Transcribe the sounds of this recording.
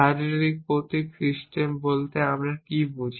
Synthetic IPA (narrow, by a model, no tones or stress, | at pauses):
aɾiɾoɾik̚pot̪ikɾiʃʈembolt̪eamɾakibud͡ʑʱ